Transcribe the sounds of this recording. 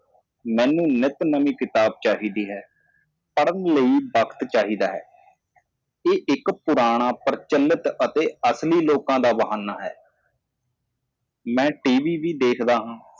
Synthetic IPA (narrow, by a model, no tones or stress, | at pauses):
mɛ̃ːnũːnɪt̪nəmĩːkɪt̪aːb̚t͡ʃaːɦiːd̪iːɦɛː | pəɽənləiːbəkt̪t͡ʃaːɦiːd̪aːɦɛ̰ː | eːʔɪkpʊɾaːɽ̃aːpəɾt͡ʃəlːət̪ət̪eːəsliːloːkãːd̪aːbəɦaːnaːɦɛ̰ː | mɛ̃ːʈiːʋiːʋiːd̪eːkʰd̪aːɦãː